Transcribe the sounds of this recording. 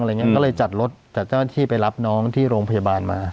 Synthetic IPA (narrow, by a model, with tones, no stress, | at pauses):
ʔŋi˦˥kɔː˥˩lɤː˧jt͡ɕa˨˩t̪̚ɾo˦˥t̪̚t͡ɕaː˨˩k̚t͡ɕaː˥˩na˥˩t̪ʰiː˥˩pa˧jla˦˥p̚nɔː˦˥ŋt̪ʰiː˥˩ɾoː˧ŋpʰa˧jaː˧baː˧nmaː˧